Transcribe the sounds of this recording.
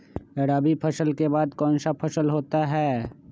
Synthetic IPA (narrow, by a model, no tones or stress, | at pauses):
eɽaːbipʰəsəlkebaːd̪kɔ̃ːnsapʰɐsəlɦoːt̪aɦɛː